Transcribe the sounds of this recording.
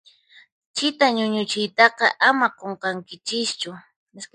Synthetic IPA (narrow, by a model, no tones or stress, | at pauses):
t͡ʃɪt̪aɲʊɲʊt͡ʃɪjt̪ɑqɑʔamaqoɴqɑŋkɪt͡ʃɪst͡ʃʊ | ɪs